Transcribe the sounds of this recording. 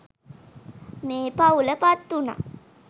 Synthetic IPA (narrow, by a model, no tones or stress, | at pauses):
meːpauləpat̪ːuna̰